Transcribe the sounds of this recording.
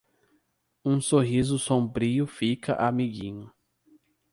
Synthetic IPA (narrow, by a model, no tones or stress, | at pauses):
ũsoɦizʊsõmbɾiʊfikɐ̰ʔamiɡĩɲʊ